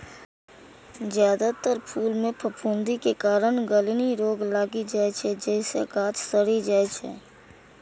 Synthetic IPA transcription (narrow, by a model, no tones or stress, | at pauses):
zjaːd̪at̪əɾpʰuːlmẽpʰəpʰuːnd̪ikekaːɾənɡəliniɾoːɡlaːɡid͡ʒaːet͡ʃʰɛd͡ʒɛːsḛɡaːt̪səɽid͡ʒaːet͡ʃʰɛ̰ː